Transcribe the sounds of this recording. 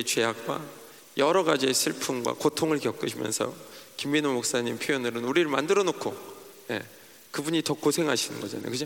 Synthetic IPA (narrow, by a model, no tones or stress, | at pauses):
t͡ɕwe̞ɦak̚k͈wa̰ | jʌɾʌɡad͡ʑiesʰɯɭpʰumɡwa̰kotʰoŋɯɭkjʌk͈ɯɕʰimjʌ̰nsʰʌ̰kimːinomok̚s͈aɲimpʰjojʌnɯɾɯnuɾiɾɯɭmandɯɾʌnokʰone̞̰ | kɯbuɲitʌkosʰe̞ŋɦaɕʰinɯ̰nɡʌd͡ʑa̰na̰jo̰kɯd͡ʑo